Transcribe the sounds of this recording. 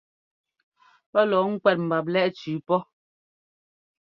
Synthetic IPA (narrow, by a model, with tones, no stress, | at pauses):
pɔ˦lɔː˨˦ŋ̩˦kwɛ˨t̚m̩˨ba˨p̬̚lɛ˦ʔt͡ʃʉː˨˦pɔ˦